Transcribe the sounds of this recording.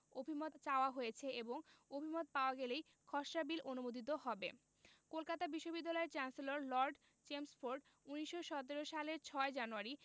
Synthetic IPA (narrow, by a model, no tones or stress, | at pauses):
obʱimot̪t͡ɕaoaɦojet͡ɕʰeeboŋobʱimot̪̚paoaɡɛlej | kʰɔʃabilʔonumod̪ʱit̪oɦɔbe | kolkat̪abiʃːobid̪ːalɔeɾt͡ɕanseloɾlɔɾɖ | t͡ɕemsfoɾɖ | uniʃːoʃɔt̪̬eɾoʃaleɾt͡ɕʰɔed͡ʑanuaɾi